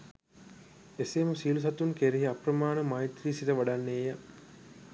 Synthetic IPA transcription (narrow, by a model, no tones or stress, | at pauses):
eseːməsiːlus̬ɐt̪unkeɾiɦiaprəmaːnəmajt̪ɾiːsitəʋaɖanːeːja